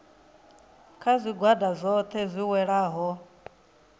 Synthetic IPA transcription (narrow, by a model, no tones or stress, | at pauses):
kʰazʷiɡwadazʷɔt̪ʰɛzʷiwɛɺaːɦɔ